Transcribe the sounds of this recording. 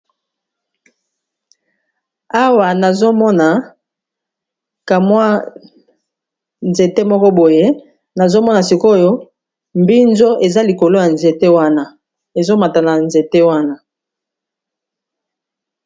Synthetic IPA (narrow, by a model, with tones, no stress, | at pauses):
a˦wa˨na˨zo˦mɔ˦na˨ | ka˨mwa˦ | nze˨te˦mɔ˦kɔ˦bo˨je˦ | na˨zo˦mɔ˦na˨si˨ko˦˨jo˦ | mbi˦nzo˦e˨za˦li˨ko˨lo˦ja˨nze˨te˦wa˦na˦ | e˨zo˦ma˨ta˨na˨nze˨te˦wa˦na˦